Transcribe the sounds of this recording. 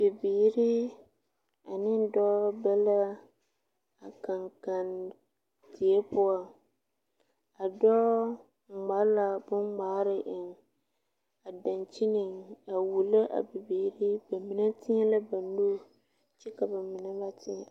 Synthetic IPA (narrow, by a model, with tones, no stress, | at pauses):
b̥ɪ˨biː˨ɾɪ˦ | a˨nɪ˦n˦dɔ˦bɛ˦la˦ | a˨ka˨ŋka˨n | tɪ˨e˦pʊ˦a˦ | a˨dɔ˦˨ | ŋ͡ma˨˦la˨bʊ˦ŋŋ͡maː˦ɾɪ˦ʔɪ˨ŋ | a˨da˨nt͡ʃɪ˦nɪ˨ŋa˨wu˨la˦ʔa̰˨bɪ˨biː˨ɾɪ˦ba˨mi˨na˦tɪ˦ɛ˦la˦ba˨nu˦ | t͡ʃɛ˦ka˨ba˨mɪ˨na˦ba˦tɪ˦a˨